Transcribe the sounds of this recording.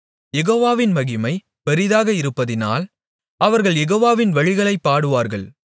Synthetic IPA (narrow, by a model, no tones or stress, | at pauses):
jɛɣoːʋaːʋɪnmɐɣɪmɐɪ | pɛɾɪðaːɣɐɪɾɯpːɐðɪna̰ːl | ɐʋɐɾɣɐɭjɛɣoːʋaːʋɪnʋɐɻɪɣɐɭɐɪpːaːɽɯʋaːɾɣɐɭ